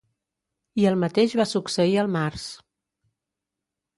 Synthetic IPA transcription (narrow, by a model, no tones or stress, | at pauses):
iəlˠmət̪eʒβasuksəiəlˠmaɾs